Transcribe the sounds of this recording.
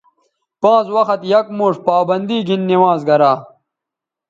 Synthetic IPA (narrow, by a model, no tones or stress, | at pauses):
pãːt͡swɐxɐt̪jɐk̚moːʂpaːbɐnd̪iːɡinːiwãːzɡɐɾaː